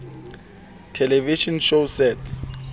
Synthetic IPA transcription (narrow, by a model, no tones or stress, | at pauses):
tʰɛlɛviʃɔnʃosɛtʰ